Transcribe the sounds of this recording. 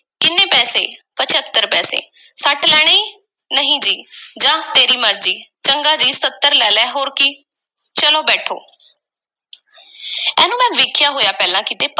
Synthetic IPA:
kɪnːeːpɛːseːpət͡ʃʰət̪ːəɾpɛːsḛː | səʈʰlɛːɽ̃eiː | nəɦĩːd͡ʒiːd͡ʒãːt̪eːɾiːməɾd͡ʒiːt͡ʃəŋɡaːd͡ʒiːsət̪ːəɾlɛːlɛːɦoːɾkɪ | t͡ʃəloːbɛːʈʰo̰ː | ɛ̰ːnũːmɛ̃ːʋɪːkʰɪjaːɦoːjaːpɛːlãːkiːt̪eːp

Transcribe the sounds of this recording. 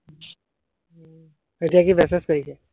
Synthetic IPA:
etijakibɛseskɔɹisɛ

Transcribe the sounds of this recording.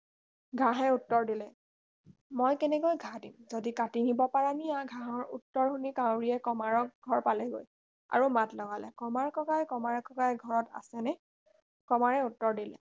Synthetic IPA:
ɡʱãɦɛutːɔɹdilɛ | mojkɛnɛkojɡʱadimzodikatinibɔpaɹaniaɡʱãɦɔɹṵtːɔɹhunikawɹiɛkɔmaɹɔk̚ɡʱɔɹpalɛɡo̰j | a̰ɹumatlɔɡalɛ̰kɔmaɹkɔkajkɔmaɹkɔkajɡʱɔɹɔta̰sɛnɛ | kɔmaɹɛutːɔɹdilɛ̰

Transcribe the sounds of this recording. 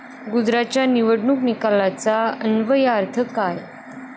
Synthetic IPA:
ɡud͡zɾat͡ɕjaniʋəɽɳuːknikalːat͡saənʋəjaɾt̪ʰəkaj

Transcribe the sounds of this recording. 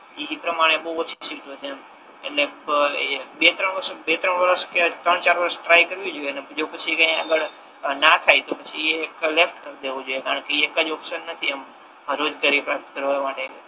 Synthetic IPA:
ipɾəmaɽ̃ebəɦuəsisiɡt̪ot͡ʃem | ḛʈle | bet̪ɾəɳʋəɾsbet̪ɾəɳʋəɾəsket̪ɾəɳt͡ʃaɾʋəɾəsʈɾaikəɾʋjũd͡ʒoiened͡ʒopət͡ʃʰikə̃ɦĩaɡəɭ | nat̪ʰajt̪opət͡ʃʰieeklefʈkəɾd̪eʋũd͡ʒojekaɾəɳkeekːəd͡ʒɔpʃənːət̪ʰiem | ɦəɾod͡ʒɡaɾipɾap̚t̪kəɾʋamaʈe

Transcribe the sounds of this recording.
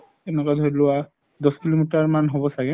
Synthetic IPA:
ɛnɛkadʱoɹilʊwa | d̪ɔskilomitaɹmanɦobɔsaɡɛ

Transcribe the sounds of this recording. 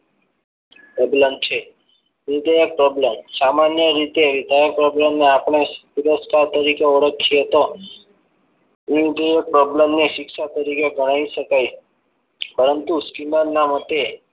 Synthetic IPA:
ebləmt͡ʃʰe | nid̪ʱəjək̚pɾɔbləmsamanjəɾit̪eʋid̪ʱajək̚pɾɔbləmneapɳ̃epuɾəskaɾt̪əɾikeoɽəkʰːiet̪o | iid̪ʱəjək̚pɾɔbləmneʃɪkʃat̪əɾikeɡəɽ̃aiʃəkaj | pəɾənt̪uskinəɾnamət̪e

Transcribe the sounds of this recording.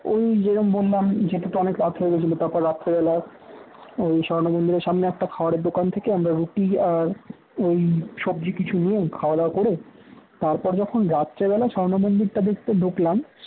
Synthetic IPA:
ojd͡ʑenombolːamd͡ʑeʈat̪oɔnekɾat̪ʰɦoeɡet͡ɕʰilot̪aɾpɔɾːat̪ːebɛla | ojʃɔɾnomond̪iɾeɾʃamneɛk̚ʈakʰaoaɾeɾd̪okant̪ʰekeamɾaɾuʈiaɾ | ojʃɔb̚d͡ʑikit͡ɕʰunijekʰaoad̪akoɽet̪aɾpɔɾd͡ʑɔkʰonɾat̪ːʃabɛlaʃɔɾonomond̪iɾʈad̪ek̚ʰt̪eɖʱuklam

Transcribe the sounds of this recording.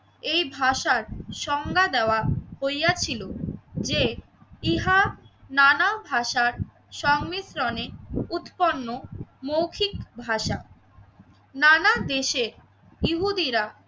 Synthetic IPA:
ejbʱaʃaɾʃɔŋɡad̪ɛoahojat͡ɕʰilod͡ʑe | iɦananabʱaʃaɾ | ʃɔŋmisɾɔneut̪ponːomowkʰikbʱaʃa | nanad̪eʃeɾ | iɦud̪iɾa

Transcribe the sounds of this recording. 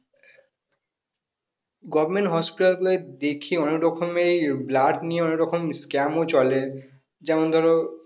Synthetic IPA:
ɡɔbmeɳʈɦɔspiʈalboled̪ekʰiɔnekɾɔkʰomejblaʈnijeɔnekɾɔkʰomskɛmot͡ɕɔle | d͡ʑɛmond̪ʱɔɾo

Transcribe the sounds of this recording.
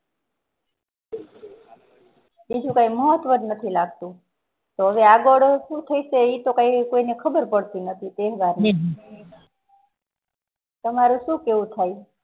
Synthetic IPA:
bid͡ʒũkãiməɦət̪ʋəd̪nət̪ʰilaɡ̚t̪ũ | t̪oɦəʋeaɡəɽoʃũt̪ʰəiseit̪okãikoinekʰəbəɾpəɽt̪inət̪ʰit̪eɦʋaɾni | t̪əmaɾũʃũkeʋũt̪ʰaj

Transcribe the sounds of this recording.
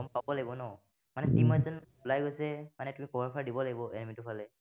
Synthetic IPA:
ɔmpabɔlaɡibɔnɔ | manɛtimɔzɔnulajɡojsɛmanɛtumikɔbaɹpʰaɹdibɔlaɡibɔʔɛnɛmitʊpʰalɛ

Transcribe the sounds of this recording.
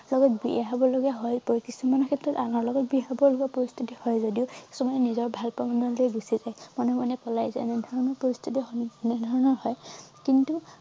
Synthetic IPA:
lɔɡɔtbiaɦabɔloɡaɦɔjpɔkisumanɔkʰɛtɹɔtanɔɹlɔɡɔt̚biɦabɔloɡapɔɹist̪ʰutihɔjzodiʊkisɔmɔjɛnizɔɹbʱalpamɔnɔlejɡusizajmɔnumanɛpɔlajzɛ̰nɛdʱɔɹɔnɔɹpɔɹist̪ʰutiɦnɛdʱɔɹɔnɔɹhɔjkintu

